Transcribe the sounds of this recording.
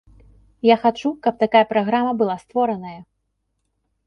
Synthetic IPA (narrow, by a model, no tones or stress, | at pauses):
jaxat͡ʂukɐp̚t̪akajɐpɾaɣɾamɐbɨlˠast̪vɔɾɐnɐjɐ